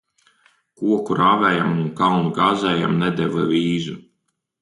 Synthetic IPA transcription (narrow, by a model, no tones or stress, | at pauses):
kuɔkuɾaːvɛːjamunkawnuɡaːzɛːjamnɛd̪ɛvɨvʲiːzu